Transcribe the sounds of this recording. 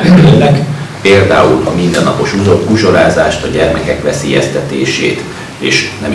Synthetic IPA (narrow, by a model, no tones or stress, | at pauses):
elɛkpeːld̪a̰ːulɒmind̪ɛnːɒpo̞ʃuzobkuʒo̞ɾaːzaːʃt̪ɒɟɛrmɛkɛkʋɛseːjɛst̪ɛt̪eːʃeːt̪ | eːʃnɛm